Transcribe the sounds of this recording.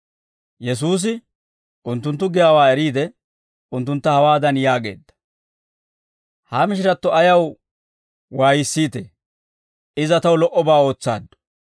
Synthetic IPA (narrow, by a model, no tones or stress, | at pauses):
jɛs̬uːs̬ɪ | ʔʊnt̪ːʊnt̪̬ːʊɡɪjaːwaːɛɾiːd̪ɛ | ʊnt̪ːʊnt̪ːɐhɐwaːd̪ɐnjaːɡe̞̰ːd̪ːɐ̥ | hamɪʃ̬ɪɾɐt̪ːɔɐjɐw | waːjɪsːiːt̪e | ɪzɐt̪ɐwlɔʔːɔbaːo̞ːt͡sːa̰ːd̪ːɔ̥